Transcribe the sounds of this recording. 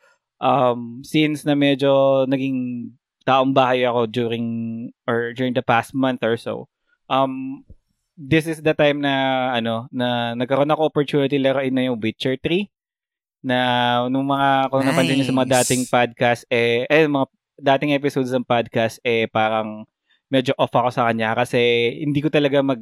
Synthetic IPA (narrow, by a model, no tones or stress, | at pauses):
ʔɐmsinsnɐmɛd͡ʒo̞nɐɡɪŋ | t̪aːʔoŋbaːhɐjɐko̞d͡ʒuːɾɪŋʔɔɹd͡ʒuːɹɪŋd̪ɐpast̪̚mɐ̃nθɔɹso̰w | ʔɐm | d̪ɪsɪsd̪ɐt̪ajmnɐʔɐno̞nɐnɐɡkːɐɾonɐkoʔopɔɹt̪uːnɪt̪ilɛɾoʔɪnːɐjʊŋwɪt͡ʃɛɹt̪ɾi | nɐnʊŋmɐŋakoŋnɐtpɐnt̪ɪɲːosɐmɐŋad̪aːt̪ɪŋpad̪̚kast̪̚ʔɛʔɛnʊŋmɐŋa | d̪aːt̪ɪŋʔɛpɪsod̪sɐŋpad̪̚kast̪̚ʔɛpaːɾɐŋ | mɛːd͡ʒoʔofɐko̞sɐkɐɲakɐsɛhɪnd̪iːkot̪ɐlɐɡamɐɡ̚